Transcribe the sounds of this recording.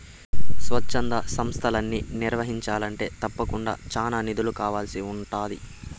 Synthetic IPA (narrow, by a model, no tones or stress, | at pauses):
sʋɐt͡ʃːɐnd̪ɐsɐmst̪ʰɐlɐnːiniɾʋɐɦiɲt͡ʃaːlɐɳʈe̞ːt̪ɐpːɐkuɳɖa̰ːt͡ʃaːnaːnid̪ulukaːʋaːlɐsiuɳʈaːd̪ḭ